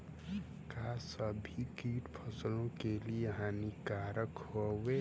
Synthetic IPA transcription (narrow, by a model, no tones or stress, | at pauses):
kasəbʱikiːʈpʰəslõkelieɦanikaːɾəkhowe